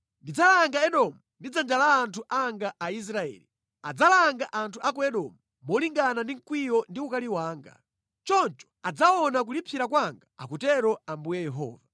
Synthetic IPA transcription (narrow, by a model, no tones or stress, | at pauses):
ndid͡zalaŋɡaɛɗɔmundid͡zand͡ʒalaːntʰuʔaŋɡaʔais̬ɾaɛ̰ːli | ad͡zalaŋɡaʔantʰuʔakuɛɗɔmu | mɔliŋɡanandiŋ̩kwijɔndiukaliwaːŋɡa̰ | t͡ʃɔnt͡ʃɔ̥ad͡zaɔnak̬ulipʰiɾakwaŋɡaa̰kutɛɾɔambujɛjɛɦɔ̰ːva